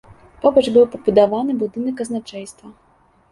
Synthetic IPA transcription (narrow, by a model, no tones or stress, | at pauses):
pɔbɐd͡ʒbɨwpɔbud̪aʋanɨbud̪ɨnɨkɐznat͡ʂɛjst̪vɐ